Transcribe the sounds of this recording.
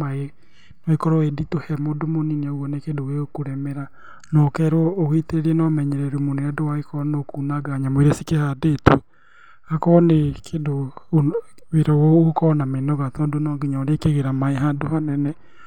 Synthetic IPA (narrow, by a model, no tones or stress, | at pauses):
mae | nɔekɔɾɔeditohɛmoːdomoninɛoɣɔnekendoɣeokuɾɛmɛɾa | nɔkɛɾwɔːɣiteeɾɛnɔmɛɲɛɾɛɾumoneɛdowaekɔnokuːnaɡaɲamoeɾesikehadetu | akɔnekʰedo | weɾɔwookɔnamenɔɣat̪ɔːdonɔːɡiɲaɾekeɣeɾamaeɦaːndohanɛnɛ